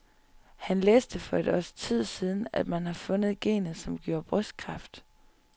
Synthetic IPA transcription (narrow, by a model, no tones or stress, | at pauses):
hænleːsd̥əfɒ̽e̝d̥ɒst͡sʰið̞̰ˠsiːð̞ˠn̩æd̥mænhɑ̈fɔ̽nəð̞̩ˠɡ̥e̝̰ːnð̩ˠsɒ̽mɡ̥jo̝ɐ̰b̥ʁœsd̥̚kʰʁɑ̈fd̥